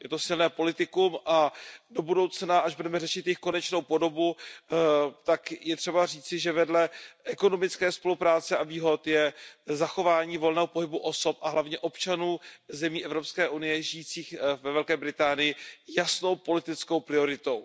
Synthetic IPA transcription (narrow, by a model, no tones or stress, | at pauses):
jɛt̪o̞sɪlnɛːpo̞lɪt̪ɪkumʔado̞budo̞wt͡snaʔaʒbudɛmɛrɛʃɪt̪jɪxko̞nɛt͡ʃno̞wpo̞do̞bu | t̪akjɛt̪r̥ɛbariːt͡sɪʒɛvɛdlɛʔɛko̞no̞mɪt͡skɛːspo̞lupɾaːt͡sɛaviːɦo̞t̪jɛzaxo̞vaːɲiːvo̞lnɛːɦopo̞ɦɪbuʔo̞so̞pʔaɦlavɲɛʔo̞pt͡ʃanuːzɛmiːʔɛvɾo̞pskɛːʔunɪjɛʒɪjiːt͡siːxvɛvɛlkɛːbɾɪt̪aːnɪjɪjasno̞wpo̞lɪt̪ɪt͡sko̞wpɾɪo̞ɾɪt̪o̞w